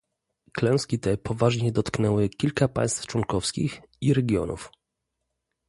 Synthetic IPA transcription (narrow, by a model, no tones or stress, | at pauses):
klɛw̃skʲit̪ɛpɔvaʐɲɛd̪ɔt̪knɛwɘkʲilkapa̰j̃st̪ft͡ʂwɔnkɔfskʲḭx | iɾɛɡʲjɔ̰nṵf